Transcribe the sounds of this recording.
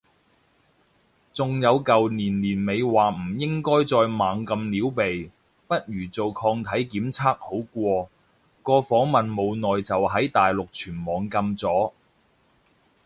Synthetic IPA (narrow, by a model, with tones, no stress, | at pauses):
t͡sʊ˨ŋjɐ˨˧wkɐ˨wniː˨˩nliː˨˩nme˨˧jwaː˨m̩˨˩jɪ˥ŋkɔː˥jt͡sɔː˧jmaː˨˧ŋkɐ˧mliː˨˥wpe˨j | pɐ˥t̚jyː˨˩t͡so˨wkʰɔː˧ŋt̪ʰɐ˨˥jkiː˨˥mt͡sʰaː˥k̚ho˨˥wkʷɔː˧ | kɔː˧fɔː˨˥ŋmɐ˨nmo˨˧wnɔː˨jt͡sɐ˨wɦɐ˨˥jt̪aː˨jlʊ˨k̚t͡ʃʰyː˨˩nmɔː˨ŋkɐ˧mt͡sɔː˨˥